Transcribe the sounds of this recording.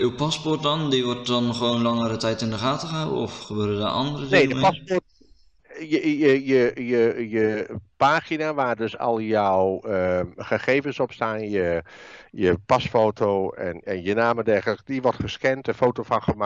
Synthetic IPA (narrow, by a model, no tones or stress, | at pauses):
ʔywpɑspɔrt̚dɔndiʋɔrt̚dɔnχəʋoːnlɑŋəɾətɛjtɪndəχaːtəəawəɔfχəbøːɾəda̰ːʔɑndərədnedəpaspɔrt | jəəjəjəjəpaːχinaʋaːrdøsɔ̰lˠjɔwəχəχeːvənsɔpstaːnjə | jəpɑsfoːtʰowɛ̰nɛ̰njənaːmədɛrɣələk̚diʋɔrtχəskɛntəfowtofɑnχəma